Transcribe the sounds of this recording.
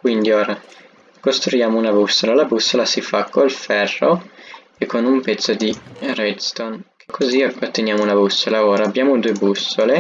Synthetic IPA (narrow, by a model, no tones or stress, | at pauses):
kwind̪ioːɾa | kost̪ɾujaːmounabusːolalabusːolasifakʰːolfɛrːo | ekʰːonumpɛt̪sːod̪irɛd̪st̪onkʰekʰːoziaat̪ːenjaːmounabusːolaoːɾaːbːjaːmod̪uːebusːole